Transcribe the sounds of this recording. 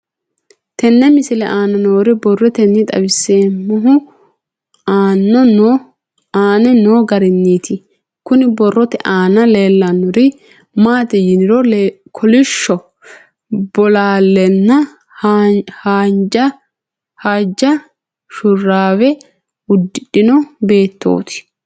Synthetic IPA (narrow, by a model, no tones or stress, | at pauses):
t̪ɛnːɛmɪsɪlɛʔaːnɐnoːɾɛbɔrːɔt̪ɛnːɪt̪ʼɐ̰bɪsːeːmːʊɦʊ | aːnːɔn | aːnɛnoːɡɐɾɪnːiːt̪ʰɪ | kʊnɪbɔrːɔt̪ɛʔaːnɐleːlːɐnːʊɾɪ | maːt̪ɛjɪnɪɾɔl | kʰɔlɪʃːɔ | b̥ɔlaːlːɛnːɐ | haːnd͡ʒɐ | had͡ʒɐ | ʃʊrːaːwɛ | ʊd̪ːɪɗɪnɔbe̞ːt̪ːo̰ːt̪ɪ̥